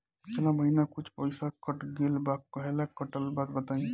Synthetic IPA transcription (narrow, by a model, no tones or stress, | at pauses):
t͡ʃʰlaməɦinakut͡ʃʰpəɪsakəʈɡelbakəɦelakəʈəlbad̪bət̪aĩ